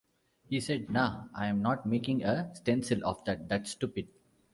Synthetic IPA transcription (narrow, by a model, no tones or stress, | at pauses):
hiːseɖ̚naʊʔãjɛ̃mnɔːʈ̚meːkɪ̃ŋəsʈɛ̃nsɪlʔɔ̰fd̪æʈ̚d̪æʈsːʈupɪɖ̚